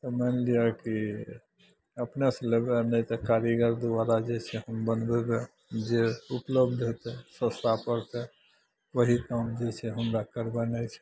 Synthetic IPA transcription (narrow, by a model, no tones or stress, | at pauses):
t̪ɔmɛnliaki | əpnesẽlebenɛt̪ɔkaɾəɡəɾd̪uaɾad͡ʒet͡ʃʰɛɦəmbənbebe | d͡ʒeupləbd̪ɦet̪ɛsə̃st̪ʰapəɾt̪ɛ | ʋəɦikamd͡ʒet͡ʃʰɛɦəmɾakəɾbənət͡ʃʰɛ̥